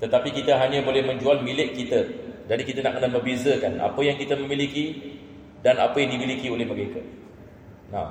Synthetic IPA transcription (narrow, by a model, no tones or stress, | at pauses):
t̪ət̪apikit̪əɦaɲãbolɛhmə̃ɲd͡ʒualmilɪkːit̪ədadikit̪ana̰ʔkənaməbezəkana̰pəjaŋkit̪əmə̃miliki | dana̰pəjaŋdimilikiolɛhməɾeka | nã̰